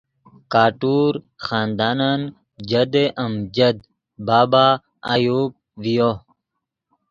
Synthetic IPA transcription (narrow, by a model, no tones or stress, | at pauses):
kaːʈuːɾ | xaːnd̪aːnan | d͡ʑɐd̪eʔɐmd͡ʑɐd̪ | baːbaː | a̰juːb̚ʋijo